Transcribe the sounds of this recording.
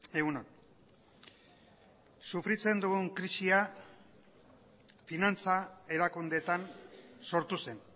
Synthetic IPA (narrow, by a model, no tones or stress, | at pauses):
e̞ɣunon | sufɾit͡se̞nd̪uɣuŋkɾisia | finant͡sae̞ɾakund̪e̞t̪anso̞ɾt̪use̞n